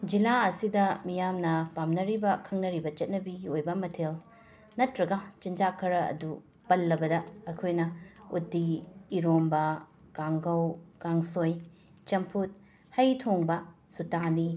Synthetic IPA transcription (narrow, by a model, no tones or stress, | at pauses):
d͡ʒilaɐsidɐmijamnɐpamnɐɾibɐkʰɐŋnɐɾibɐt͡ʃɐt̚nɐbiɡiojbɐmɐtʰel | nɐtɾɐɡɐt͡ʃind͡ʒakʰːɐɾɐɐ̰du | pɐlːɐbɐdɐɐkʰojnɐutːiːɾombɐ | kaŋɡɐwkaŋsoj | t͡ʃɐmpʰut̚ | hɐjtʰoŋbɐsutani